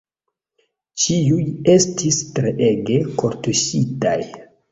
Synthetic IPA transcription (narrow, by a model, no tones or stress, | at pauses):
t͡ʃiuje̞stistɾeʔe̞ɡe̞koɾtusita̰j